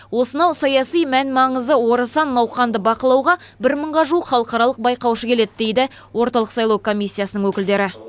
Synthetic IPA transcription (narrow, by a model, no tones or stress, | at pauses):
wo̞sənɑwsɑjɑsijmænmɑɴəzəwo̞ɾəsɑnːɑwχɑnd̪əbɑqəlˠɑwʁɑbɪɾməɴʁɑʒuwəqχɑlˠəqɑɾɑlˠəq̚bɑjqɑwʃəkʲʰe̞le̞d̪ɪd̪e̞jd̪ɪ | wo̞ɾt̪ɑlˠəqsɑjlˠɑwkʰo̞mʲisʲːijasənəɴwɵkʲɪld̪e̞ɾɪ